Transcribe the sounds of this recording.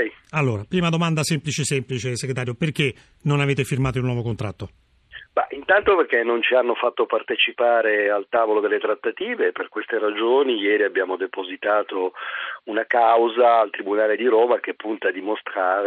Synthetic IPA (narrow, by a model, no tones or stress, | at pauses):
jalːoːɾapɾiːmad̪omand̪asɛmplit͡ʃesɛmplit͡ʃeseɡɾet̪aːɾjoperk̟e | nonaveːt̪efirmaːt̪ounːwɔːvokont̪ɾat̪ːo | baʔint̪ant̪operk̟enːont͡ʃianːofat̪ːopart̪et͡ʃipaːɾealt̪aːvolod̪elːet̪ɾat̪ːat̪iːveperkwest̪eɾad͡ʒoːnijɛːɾiabːjaːmod̪epozit̪aːt̪ounakawzaːlt̪ɾibunaːled̪iɾoːmak̟epːunt̪ad̪imost̪ɾaːɾ